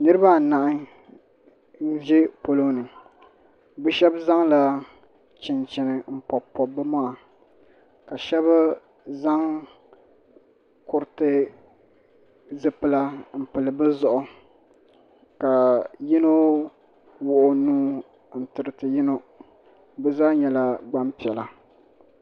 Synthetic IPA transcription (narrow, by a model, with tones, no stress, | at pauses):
nɨ˦ɾɨ˦ba˦˨na˨ʔɪ˦ | n̩˦ʒe˦po˨lo˦nɨ˨ | bɛ˦ʃɛ˦bza˦ŋla˦ | t͡ʃɪ˨nt͡ʃɪ˨nɨ˨m̩˦pɔ˨pːɔ˨bɨ˦maː˦˨ | ka˨ʃɛ˦ba˦ | za˦ŋ | kʊ˨ɾtɨ˦ | zɨ˨pɨ˨la˦m̩˨pɨ˨lɨ˨bɨ˦zɔ˨ʔʊ˨ | ka˨ji˦no˦ | wʊ˨ʔʊ˨nuː˦ | n̩˨tɨ˨ɾɨ˨tɨ˨jɪ˦no˦ | bɛ˦zaː˦ɲɛ˨la˨ɡ͡ba˦mpi˨ɛ˨la˨